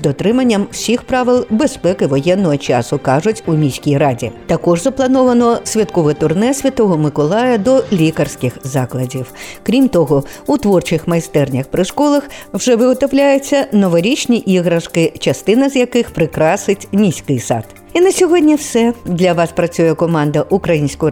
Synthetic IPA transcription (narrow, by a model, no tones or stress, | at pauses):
d̪ɔt̪ɾɪmɐnʲːɐmsʲixpɾaʋɪlˠbespɛkɪʋɔjɛnːɔɦɔt͡ʃa̰sʊkaʐʊtʲunʲisʲkʲijradʲḭt̪ɐkɔʐzɐplˠɐnɔʋɐnɔsʲʋʲɐt̪kɔʋɛt̪ʊrnɛsʲʋʲɐt̪ɔɦɔmɪkɔlˠajɐd̪ɔlʲikɐrsʲkʲɪxzaklˠɐdʲiwkɾʲimt̪ɔɦɔut̪ʋɔrt͡ʃɪxmɐjst̪ɛrnʲɐxpɾɪʂkɔlˠɐxwʐɛʋɪɣɔt̪ɔwlʲajʊt͡sʲːɐnɔʋɐɾʲit͡ʃnʲiʔiɣɾɐʂkɪt͡ʃɐst̪ɪnɐzʲjakɪxpɾɪkɾasɪtt͡sʲnʲisʲkɪjsa̰t̪ | inɐsʲɔɦɔdʲnʲiwsɛd̪lʲɐʋaspɾɐt͡sʲujɛkɔmand̪ɐʔukɾɐjinʲsʲkɔ